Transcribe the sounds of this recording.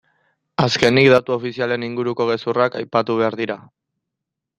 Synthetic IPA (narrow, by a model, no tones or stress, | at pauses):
aske̞nikd̪at̪uo̞fisiale̞niŋɡuɾuko̞ɣ̞e̞surakajpat̪uβ̞e̞aɾðiɾa